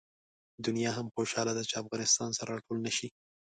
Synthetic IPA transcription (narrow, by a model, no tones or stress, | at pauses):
d̪ʊnjɑɦamxoʃɑlad̪at͡ʃeafɣɑnɪst̪ɑnsaɾaʈʰolnaʃi